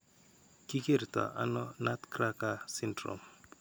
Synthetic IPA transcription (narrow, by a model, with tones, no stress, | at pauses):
ki˦ke˦˨ɾt̪a̰˨ʔa̰˦nɔ˦na˦t̪kɾa˦ka˦si˦ndɾo̰˨m